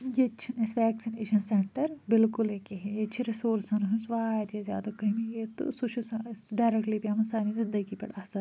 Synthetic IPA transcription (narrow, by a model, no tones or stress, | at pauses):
jet͡ʃʰinesʋɛːksineːʃɐnseɳʈɐɾbɪlkʊlekiɦejet͡ʃʰiɾisoːɾsɐnɦũsʋaːjt̪jezja̰ːd̪akɐmijet̪ṵsuʃʰusɐɖaːɾekʈlipʲamɐnsaːnizɪ̃nd̪ɐɡipɐ̰ɽaːsɐ